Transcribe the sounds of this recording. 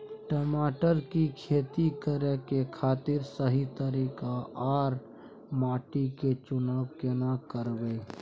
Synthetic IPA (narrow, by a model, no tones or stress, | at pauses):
ʈəmaːʈəɾkikʰeːt̪ikəɾekekʰaːt̪ɪɾsəɦit̪əɾiːkaʔaːɾ | maːʈiket͡ʃʊnaːʋkenakəɾbei